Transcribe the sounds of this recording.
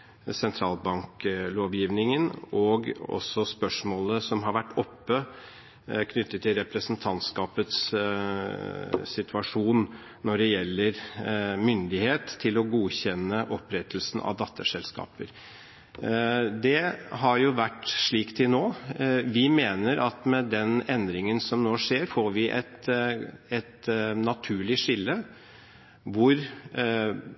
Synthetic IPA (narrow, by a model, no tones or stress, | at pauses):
sɛnt̪ʰɾɑːlbɑŋkloːʋjiːʋnɪŋənɔɡɔ̰sːɔspœʂmoːləsɔmɦɑɾʋæʈːɔpːə | kʰnʏt̪ːət̪ʰːɪlɾɛpɾəsn̩t̪ʰɑnt̪skɑːpət̪s | sɪt̪ʰʉɑʂuːn | nɔɖɛjɛlːəɾmʏnd̪ɪheːt̪ʰːɪlɔɡuːçɛnːəʔɔpɾɛt̪ʰːəlsn̩ɑ̰ʋd̪ɑt̪ʰːəʂɛlskɑ̰ːpəɾ | d̪ɛɦɑɾjʊʋæʈːʂɭiːkt̪ʰɪlnoːʋɪmeːnəɾʔɑt̪mɛd̪ɛnɛnd̪ɾɪŋənsɔmnoːʂeːɾfoːɾʋɪʔɛ̰t̪ | ɛt̪nɑt̪ʰʉːɭɪʂɪlːə | ʋʊɾ